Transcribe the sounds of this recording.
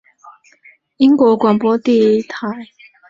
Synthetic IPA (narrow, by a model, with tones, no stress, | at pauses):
i˦˥ŋkwɔ˧˥kwa˨˩npwɔ˦t̪i˥˨t̪ʰa˨˦ɪ